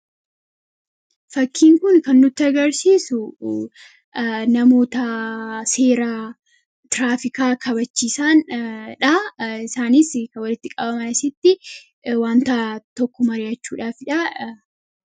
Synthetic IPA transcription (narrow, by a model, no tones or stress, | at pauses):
fɐkːiːŋkʊnkɐnːʊt̪ːɪɐɡɐɾsiːsʊ | nɐmo̞ːt̪ɐse̞ːɾa | t̪ɪɾaːfɪkaːkʰɐβɐt͡ʃːiːsaːnᶑɐɪsaːnɪskɐwɐlɪt̪ːɪkʼɐbɐmɐnɐsɪt̪ːɪ | waːnt̪at̪ɔkːɔmɐɾɪjɐt͡ʃːuːᶑaːfɪᶑɐ